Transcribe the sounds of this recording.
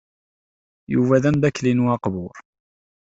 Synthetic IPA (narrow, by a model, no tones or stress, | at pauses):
jṵvæðænd̪ækːlinuɑqbʊɾ